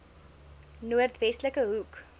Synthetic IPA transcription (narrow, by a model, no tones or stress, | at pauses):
nuərtvɛstləkəɦuk